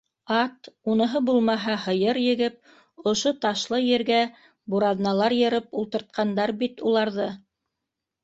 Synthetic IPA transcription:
ɑt̪unɤ̆ɦɤbulˠmɑɦɑhɤ̆jɤɾjɘ̆ɡɘp̚ | ŏʃot̪ɑʃlˠɤjɘ̆ɾɡæ | buɾɑðnɑlˠɑɾjɤ̆ɾɤpulˠt̪ɤ̆ɾt̪̚qɑnd̪ɑɾbit̪ulˠɑɾðɤ

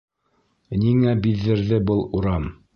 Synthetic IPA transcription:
niŋæbiðːɘ̆ɾðɘbɤlˠuɾɑm

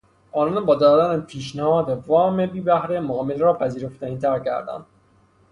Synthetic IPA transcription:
ʔɒːnɒːnbɒːd̪ɒːd̪ænæzpʰiːʃ̬næhɒːd̪evɒːmebiːbæhɾemoːmelɾɒːpʰæziːɾo̞ft̪æniːt̪ʰæɾcʰæ̰ɾd̪æ̰nd̪̥

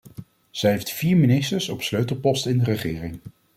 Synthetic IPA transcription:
z̥ɛjɦejftfiːɹminɪstəɹsɔpsløɥtəl̩ˠpɔstɪndərəχɪːrɪŋ

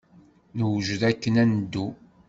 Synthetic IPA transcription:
nəwʒðækːənænd̪ːu

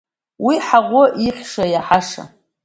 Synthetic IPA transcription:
wiħaʁʷʊʔiχʲʂajaħaʂa̰

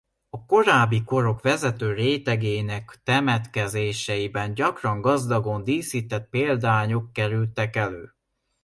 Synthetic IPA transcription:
ɒko̞ɾaːbːiko̞ɾo̞kʋɛzɛt̪øːreːt̪ɛɡeːnɛkt̪ɛmɛt̪kɛzeːʃɛjibɛnɟɒkrɒŋɡɒzd̪ɒɡo̞nd̪iːsit̪ɛt̪̚peːld̪aːɲo̞kːɛɾylt̪ɛkɛløː

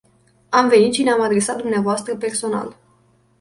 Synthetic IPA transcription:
amve̞nit̪̚t͡ʃineamad̪ɾe̞sat̪̚d̪umneavoast̪ɾəpe̞rso̞na̰l

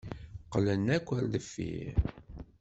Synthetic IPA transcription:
qlənːækʷːəɾðəfːḭ

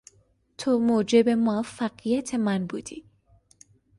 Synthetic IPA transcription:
t̪ʰomoːd͡ʒebemoafːæɢijæt̪ʰemænbuːd̪i

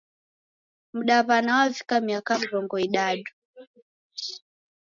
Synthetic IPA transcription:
m̩ɗaβanawavikamiakamiɾɔŋɡɔiɗaɗu

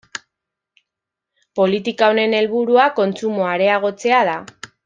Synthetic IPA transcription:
po̞lit̪ikaone̞ne̞lβuɾuako̞nt͡sumo̞aɾe̞aɣ̞o̞t͡se̞að̞a

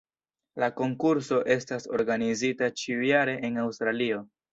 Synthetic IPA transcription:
lako̞ŋkuɾso̞ʔe̞staso̞̰ɾɡanizitat͡ʃiujaɾe̞ʔenawstɾalio̞

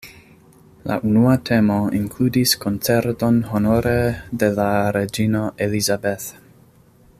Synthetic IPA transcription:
la̰ʔunuat̪ʰe̞moiŋkʰludiskont͡seɾt̪o̞nɦonoɾed̪e̞laɾed͡ʒinoʔelizabeθ

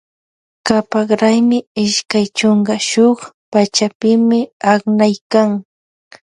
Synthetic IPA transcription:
kapaɢɾajmɪɪʃkajt͡ʃoɴɢɑʃoχ | pat͡ʃapɪmɪaχnajkaŋ

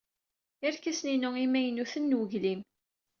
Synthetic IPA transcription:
ɪɾkæsninʊimæjənuθənːwəʝlim

